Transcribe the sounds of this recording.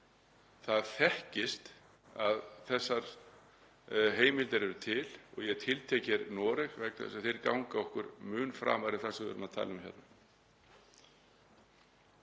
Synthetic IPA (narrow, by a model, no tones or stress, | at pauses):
θaðθɛhcɪst̪ | aðθɛsːaɾ̥ | ɦeːjmɪlt̪ɪɾɛɾʏt̪ʰɪlɔ̰ɣjɛt̪ʰɪlt̪ʰeːcɛɾnɔːɾɛxvɛknθɛ̰saθejɾkawŋkaɔhkʏɾmʏːnfɾa̰ːmaɾɪθɛsʏɣvɛ̰ɾʏmat̪ʰa̰ːlʏmçjɛ̰t̪na